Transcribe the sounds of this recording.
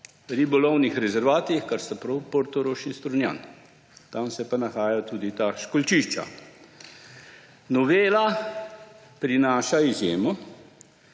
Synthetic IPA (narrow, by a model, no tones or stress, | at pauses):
ɾibɔlɔwnixɾɛzɛɾʋaːt̪iixkaɾst̪apɾɔwpoɾt̪ɔɾoːʃist̪ɾunja̰n | t̪amsɛpanaxaːjat̪uːd̪it̪aʃkɔlt͡ʃiʃt͡ʃa̰ | nɔʋeːla | pɾinaːʃaizjeːmɔ